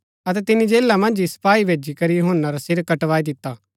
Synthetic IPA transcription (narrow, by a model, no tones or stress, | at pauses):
ɐt̪ɛt̪ɪnid͡ʒeːlamɐ̃nd͡ʒisɐ̥paːibʱeːd͡ʒikɐɾijʊɦənːaɾasɪɾkɐʈʋaːid̪ɪt̪ːaː